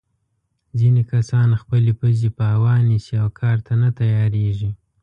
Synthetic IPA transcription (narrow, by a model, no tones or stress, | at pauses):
zinekasɑnxpəlepəzepəhawɑnisiawkʰɑɾt̪anat̪ajɑɾeʒi